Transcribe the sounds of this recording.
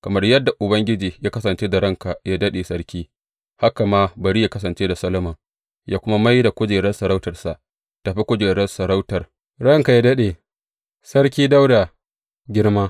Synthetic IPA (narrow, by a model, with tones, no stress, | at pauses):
kɐ˨mɐ˦rjɐ˦dːa˨ʔʊ˨bɐ˦ŋɡʲɪ˦d͡ʒiː˨jaː˦kɐ˦sɐ˨nt͡ʃeː˦da˨ɾɐ˦ŋka˨jaː˦dɐ˦ɗe˨sɐ˦ɽkʲiː˦ | ha˦ka˨maː˦bɐ˨ɾi˦jaː˦kɐ˦s̬ɐ˨nt͡ʃeː˦da˨sɐ˦lɐ˦ma˨ | jʔaː˦kʷʊ˦ma˦ma˦jda˨kʷʊ˦d͡ʒeː˨ɽɐ˦nsɐ˨ɾa˦wtɐ˨rsa˨ʔ | ta˨ɸi˦kʷʊ˦d͡ʒeː˨ɽɐ˦nsɐ˨ɾa˦wtɐ˨r | ɽɐ˦˨ŋka˨jaː˦dɐ˦ɗe˨ | sɐ˦ɽk̬ʲiː˦da˦wda˨ | ɡʲɪ˦ɽmaː˦